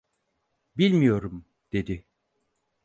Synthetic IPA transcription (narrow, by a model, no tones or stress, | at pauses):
bilʲmijo̞ɾum | d̪̥e̞d̪i